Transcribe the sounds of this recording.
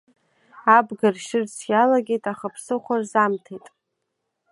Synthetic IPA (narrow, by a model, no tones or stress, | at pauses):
abɡarʃɪrsʰjalaɡʲe̞jtʼaχapʰsɨχʷarzamtʰejtʼ